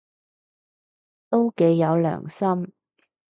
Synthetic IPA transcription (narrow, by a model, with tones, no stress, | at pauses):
t̪o˥wke˨˧jːɐ˨˧wlœ̰ː˨˩ŋsɐ˥m